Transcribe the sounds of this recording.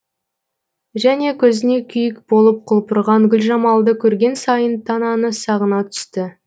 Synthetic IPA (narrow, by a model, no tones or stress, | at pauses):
ʒæne̞kʲʰɵzɪne̞kʲʰʏjɪkb̥o̞lˠəp̚qʰʊlˠpʰʊɾʁɑŋɡʲʏlʲʒɑmɑlˠd̪əkʲʰɵɾɡʲe̞nsɑjənt̪ʰɑnɑnəsɑʁənɑt̪ʰʏ̥st̪ɪ